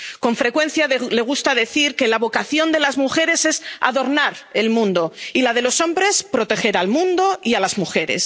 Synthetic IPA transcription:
ko̞ɱfɾe̞kwẽ̞n̟θjale̞ɣ̞ust̪aðe̞θiɾke̞laβo̞kaθjo̞nd̪e̞lazmuxe̞ɾe̞se̞sa̰ðo̞ɾnaɾe̞lmũnd̪o̞ilað̞e̞lo̞sõ̞mbɾe̞spɾo̞t̪e̞xe̞ɾalmũnd̪o̞ialazmuxe̞ɾe̞̰s

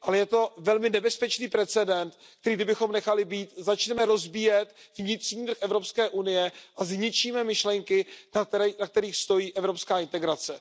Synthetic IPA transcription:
ʔalɛjɛt̪o̞vɛlmɪnɛbɛspɛt͡ʃniːpɾɛt͡sɛdɛnt̪k̚t̪ɛɾiːdɪbɪxo̞mnɛxalɪbiːt̪zat͡ʃnɛmɛɾo̞zbijɛt̪vɲɪt̪r̥ɲiːt̪ɾxʔɛvɾo̞pskɛːʔunɪjɛʔazɲɪt͡ʃiːmɛmɪʃlɛŋkɪnanak̚t̪ɛɾiːxst̪o̞jiːʔɛvɾo̞pskaːɪnt̪ɛɡɾat͡sɛ

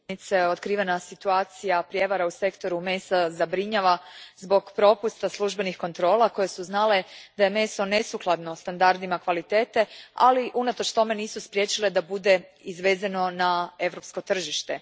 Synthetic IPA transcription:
it̪seo̞t̪kɾiːʋenasit̪uaːt̪sijapɾje̞ʋaɾause̞kt̪o̞ɾumesazabɾiɲaʋazbo̞ɡpɾo̞pust̪aslˠuʒbe̞nixko̞nt̪ɾo̞ːlako̞je̞suznale̞d̪̥aje̞me̞so̞ne̞suklˠad̪no̞st̪and̪aɾd̪imakʋalit̪e̞ːt̪e̞a̰liʔunat̪o̞t͡ʃt̪o̞me̞niːsuspɾje̞t͡ʃile̞d̪abud̪e̞izʋe̞zano̞nae̞ʋɾo̞psko̞t̪r̩ʒiʃt̪e

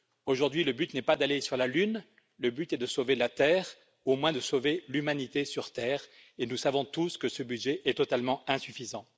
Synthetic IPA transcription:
oʒuʁd̪ɥiləbyt̪nɛpad̪alesyʁlalyn | ləbyt̪ɛd̪əsovelat̪ɛːʁ | omwɛ̃d̪əsovelymanit̪esyʁt̪ɛːʁ | enusavɔ̃t̪uskəsəbyd̪ʒɛʔɛt̪ɔt̪almɑ̃ɛ̃syfizɑ̃

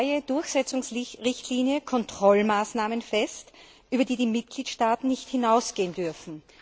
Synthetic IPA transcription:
ɪəd̥ʊɐçsɛt͡sʊŋsʁɪçtʰliːnjəkʰɔntʁ̥ɔlmaːsnaːmənfɛst | ʔyːbɐdiːdiːmɪt̚ɡ̥liːtʃtaːtn̩nɪçthɪnaʊsɡ̥eːəndʏɐfn̩

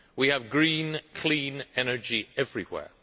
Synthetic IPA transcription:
wiɨvɡɹĩnkʰl̥ĩnɛnə˞d͡ʒiɛvɹiwɛ̰ɹ

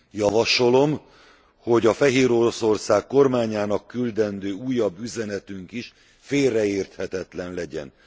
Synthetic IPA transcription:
jɒvɒʃo̞lo̞m | ho̞ɟɒfɛɦeːɾo̞ɾo̞so̞rsaːkːo̞rmaːɲaːnɒkːyld̪ɛnd̪øːuːjːɒbːyzɛnɛt̪yŋkiʃ | feːlrːɛeːrt̪hɛt̪ɛt̪lɛnlɛɟɛ̰n

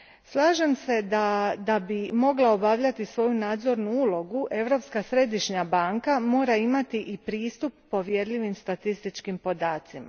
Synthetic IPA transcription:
slˠaːʒemse̞d̪ad̪abimo̞ɡlˠao̞baʋʎat̪isʋo̞junaːd̪zo̞ɾnuuːlˠo̞ɡuʔe̞ʋɾo̞pskasɾe̞d̪iʃɲabaːŋkamo̞ːɾaimat̪iʔipɾiːst̪upːo̞ʋje̞ɾʎʲiʋimst̪at̪ist̪it͡ʃkimpo̞d̪aːt̪sima̰

